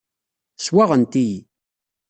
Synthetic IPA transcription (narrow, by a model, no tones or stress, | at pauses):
swaʁənt̪ij